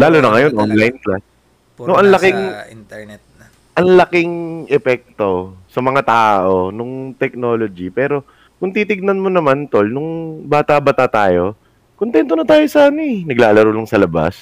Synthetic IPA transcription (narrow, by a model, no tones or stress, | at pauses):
laːlonɐŋɐjo̞nʔonlajnklas | noʔɐŋlɐkɪŋ | ɛt̪̚ | ʔɐŋlɐkɪŋʔɛpɛk̚t̪o̞sɐmɐŋat̪aːʔo̞nʊŋt̪ɛk̚no̞ːlod͡ʒipɛːɾo̞ | kʊŋt̪iːt̪ɪɡ̚nɐnmonɐmant̪o̞lnʊŋbaːt̪abɐt̪at̪aːjo̞ | kont̪ɛnt̪onɐt̪aːjosaːnɪnɐɡlaːʔɐlɐɾolɐŋsɐlɐba̰s